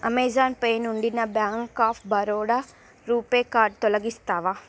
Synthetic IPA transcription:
ɐmeːd͡ʒaːnpeːnuɳɖinɐbjaːŋkaːpʰbɐɾoːɽa | ɾuːpeːkaːɾɖ̚t̪ɔlɐɡist̪aːʋa

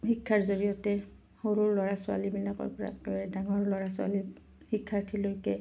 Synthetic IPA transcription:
hikʰːaɹzoɹijɔtɛ | xoɹuɹlɔɹasʊa̰libilakɔ̰ɹpɔɹa̰kɔjɛdaŋɔɹlɔɹasʊa̰li | hikʰːaɹtʰilojkɛ

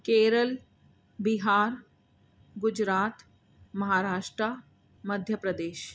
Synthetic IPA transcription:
keːɾəl | biɦaːɾ | ɡʊd͡ʒɾaːt̪ | mɐɦaːɾaːʃʈɾa | mɐd̪ʱjəpɾɐd̪eːʃ

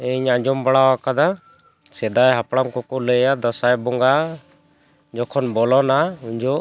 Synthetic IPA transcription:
ɛɲaɲd͡ʒɔmbaɽawakad̪a | sɛd̪ajɦapɽamkɔkɔləjad̪əsajbɔŋɡa | d͡ʒɔkʰɔnbɔlɔnauɲd͡ʒɔʔ

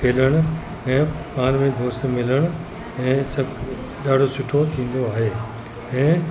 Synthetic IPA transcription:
kʰeːləɽ̃ʊ | ɛ̃ːpaːnmẽd̪oːst̪mɪləɽ̃ʊ̆ | ɛ̃ːsɐb | ɗaːɖʱosʊʈʰot̪ʰĩːn̆d̪oaːɦeː | ɛ̃ː

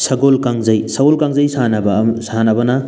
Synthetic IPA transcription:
sɐɡolkaŋzɐjsɐɡolkaŋzɐjsanɐbɐsaɦanɐbɐnɐ

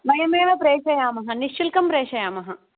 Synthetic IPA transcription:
mɐjɐmeːʋɐpɾeːʂɐjaːmɐɦɐniʂilkɐmpɾeːʂɐjaːmɐɦɐ

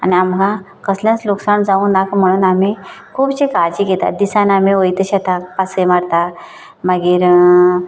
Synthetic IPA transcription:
a̰niamɡã | kəsljãt͡sloksand͡zaũːnakm̤əɽ̃uːnamikʰuːbt͡ɕekad͡ʑiɡet̪a̰d̪isãnamiojt̪əɕat̪ʰãpasemaɽt̪a | maɡiːɾ

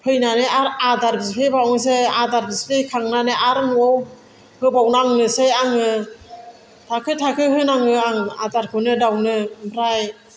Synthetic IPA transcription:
pʰɯjnanɯaɾadaɾbiskʰɯjbawŋs̬ejadaɾbiskɯkʰaŋnaneʔaɾmuow | hɯbawnaŋnɯsejaŋɯ | tʰakʰɯjtʰakʰɯjhɯnaŋɯaŋa̰daɾkʰɯnɯdawnɯbɾaj

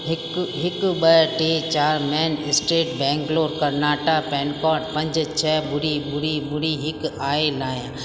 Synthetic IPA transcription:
ɦɪkɦɪkbəʈeːt͡ʃaːɾmɛːnɪsʈeːʈbɛ̃ːŋkloːɾkəɾnaːʈaːpɛ̃ːnkaːʈpɐ̃ɲd͡ʒt͡ʃʰɛːbʊɽibʊɾibʊɽiɦɪkaːelaːjã

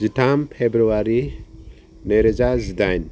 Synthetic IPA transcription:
zitʰampʰebɾuwaɾi | neɾed͡ʒazid̪ajn

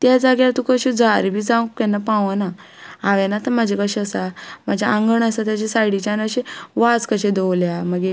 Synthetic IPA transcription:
t̪jad͡zaɡjalat̪ũkəɕed͡zaɾbʱiːd͡zãwkɛnːapãʋəna | aʋɛ̃nat̪əmad͡ʑʱekəɕeəsam̤ad͡ʑʱaãŋɡəɳəsat̪jat͡ɕesaɽit͡ɕanəɕẽʋad͡zkəɕẽd̪owljaməɡe

